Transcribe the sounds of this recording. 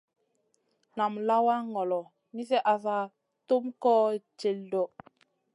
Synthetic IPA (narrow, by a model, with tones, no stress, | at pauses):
na˨mla˦wa˦ŋɔ˨lɔ˨ | mi˦s̬ɛ˦ʔa˨s̬a˦˨ | to˦mkɔ˦t͡ʃe˨ldɔ˨